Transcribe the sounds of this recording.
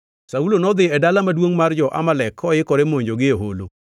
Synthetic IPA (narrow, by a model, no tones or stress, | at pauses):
saulonɔd̪ɪɛdalamadwoŋmard͡ʒɔʔa̰malɛkʰːɔjɪkɔɾemoɲd͡ʒoɡɪoɦolo